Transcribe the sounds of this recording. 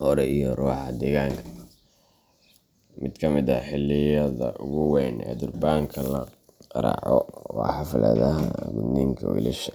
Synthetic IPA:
ʔɔɾɛijɔruːħɑd̪ɛɣaːŋkʰɐ̥ | mɪd̪kʰɐmɪd̪ɐħɪlːɪjɐðɐʔʊɣʊwɛːnɛ̰d̪ʊrbaːŋkʰɐlɐ | ɾɑ̰ʕɔwɑ̰ħɑflɐ̰ðɐɦɐɡʊd̪niːŋkʰɐ̰wḭlɪ̰ʃɐ

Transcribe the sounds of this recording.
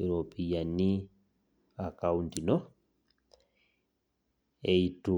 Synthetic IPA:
uɾopijani | akauntinɔ | eitu

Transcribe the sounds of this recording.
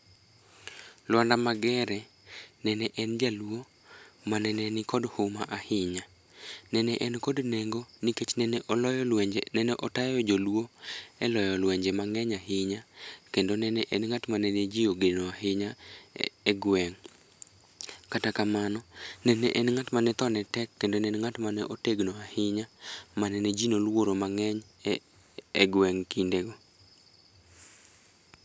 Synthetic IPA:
lwandamaɡɛɾɛ | nɛnɛʔɛnd͡ʒaluwo | manɛnɛnɪkɔdhomaʔahɪɲa | nɛnɛʔɛnkodneŋɡoniket͡ʃnɛnɛʔolɔjɔlwɛɲd͡ʒenɛnɛʔɔtajɔd͡ʒolwoɛlɔjɔlwɛɲd͡ʒemaŋɛɲaɦɪɲakendonɛnɛʔɛnŋatmanɛned͡ʒioɡenoaɦɪɲa | ɛɡwɛŋ | katakamanɔnɛnɛ̰ʔɛnŋatmanɛt̪ɔnɛtɛkːendonɛnŋatmanɛʔoteɡnoahɪɲamanɛned͡ʒinolwoɾomaŋɛɲ | ɛɡwɛŋkindeɡɔ

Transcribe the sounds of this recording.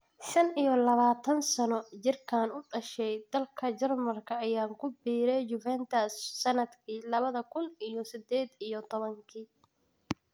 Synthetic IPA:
ʃɐnijɔlɐβaːt̪ʰɐnsɐnɔt͡ʃɪrkʰaːnʊɖɐʃɛjd̪̥ɐlkʰɐt͡ʃɐrmɐrkʰɐɐjaːŋkʰʊbiːɾɛjjʊvɛnt̪ʰɐsːɐnɐd̪kʰiːlɐβɐðɐkʰʊnijɔsɪd̪ɛːd̪ijɔt̪ʰɔβɐŋkʰiː

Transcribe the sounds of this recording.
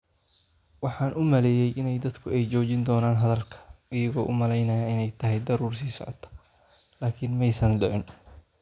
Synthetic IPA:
wɑħɑːnʔʊmɐlɛːjɛjʔɪnɛjd̪ɐd̪kʰʊɛjt͡ʃɔːt͡ʃɪnd̪ɔːnaːnɦɐðɐlkʰɐ̥ɪjɐɣɔːʔʊmɐlɛjnɐjɐɪnɛjt̪ʰɐɦɛjd̪ɐɾuːrsiːsɔ̰ʕɔ̰t̪ʰɐ̥ | laːkʰɪnmɛjsɐnɖʊʕɪn

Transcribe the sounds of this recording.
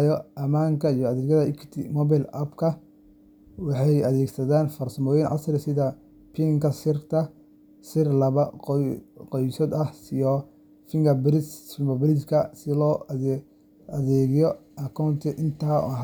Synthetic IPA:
jɔʔɐmaːŋkʰɐijɔɐðɛːɡjɐðɐʔɪkʰt̪ʰɪmɔbɛlɐbkʰɐ | wɑħɑjɐðɛːɡsɐðaːnfɐrsɐmɔːjɪnʕɑ̰sɾɪsɪðɐ | pʰiŋkʰɐsɪrt̪ʰɐ | sɪrlɐβɐqqɔjsɔd̪ɐhsɪjɔ | fɪŋɡɐbɾɪsɪmɐbɪɾɪskʰɐsɪlɔː | ɐðɛːɣɪjɔʔɐkʰawnt̪ʰɪʔɪnt̪ʰaːɔ̰ɦ

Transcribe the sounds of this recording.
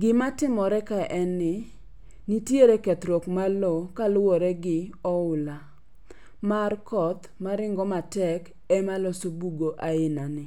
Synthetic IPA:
ɡɪmatɪmɔɾɛkaʔɛnːɪ | nitjeɾekɛt̪ɾɔkmalokalwɔɾɛɡɪɔʊla | markɔt̪ | maɾɪŋɡɔmatɛk | ɛmalɔsobuɡoʔaɪnanɪ

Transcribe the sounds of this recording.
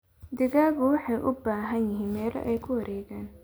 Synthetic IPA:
d̪ɪɣaːɣʊwɑħɑjʔʊbaːɦɐnjɪɦiːnmɛːlɔ̰ʔɛjkʰʊwɐɾʔɛːɣaːn

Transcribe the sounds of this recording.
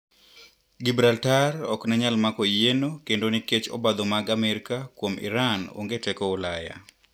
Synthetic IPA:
ɡibɾaltarɔknɛɲalmakojenokendoniket͡ʃo̰bad̪omaɡamɛɾikakwomḭɾano̰ŋɡetɛkoɔlaja̰

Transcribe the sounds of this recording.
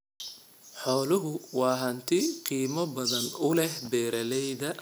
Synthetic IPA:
ħɔːlʊɦʊwɑːɦɐnt̪ʰɪqiːmɐbɐðɐnʊlɛhbɛːɾɐlɛjðɐ

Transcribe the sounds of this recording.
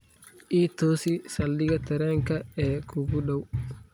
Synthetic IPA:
ʔiːt̪oːsisɐlːɪɡɐt̪ɛɾɛŋkɐɛːkuɡuɗɐw

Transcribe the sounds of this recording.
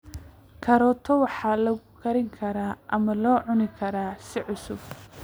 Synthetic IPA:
kʰɐɾɔːt̪ʰɔwɑħɑːlɐɣʊkʰɐɾɪŋkʰɐɾaːʔɐmɐlɔːʕʊnɪkʰɐɾaːsɪʕʊsʊb

